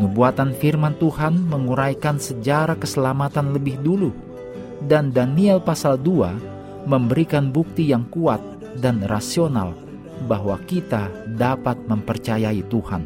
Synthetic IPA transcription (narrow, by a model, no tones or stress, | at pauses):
ŋəbuat̪anfirmant̪uhanməŋuɾajkansəd͡ʒaɾakəsəlamat̪anləbɪhdulu | dandaniɛlpasaldua̰ | məmbəɾikanbuk̚t̪ijaŋkuat̪̚ | danrasiona̰l | baɦwakit̪adapat̪̚məmpərt͡ʃajait̪uha̰n